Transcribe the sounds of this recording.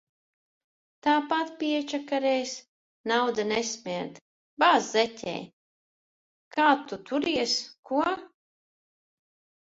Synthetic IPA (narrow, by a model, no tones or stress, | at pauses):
t̪aːpat̪pʲiɛt͡ʃakaɾɛjs | nawd̪anɛsmʲiɾd̪ | baːzzɛtʲɛ̰ːj | kaːt̪ut̪uɾiɛskuɔ